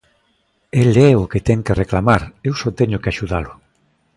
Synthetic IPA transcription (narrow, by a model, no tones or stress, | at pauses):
elɛoket̪ɛŋkereklamaɾewsɔt̪eɲʊkeaʃuðalʊ